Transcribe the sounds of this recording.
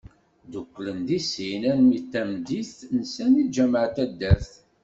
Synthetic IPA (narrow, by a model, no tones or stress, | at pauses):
d̪ukʷːlənd̪isinænmit̪ːæmd̪iθnəsænid͡ʒæmʕət̪æd̪ːæθ